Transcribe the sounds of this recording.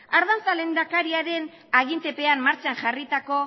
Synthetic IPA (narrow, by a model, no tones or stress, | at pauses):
aɾðant͡sale̞nd̪akaɾiaɾe̞n | aɣ̞int̪e̞pe̞anmaɾt͡ʃanʝarit̪ako̞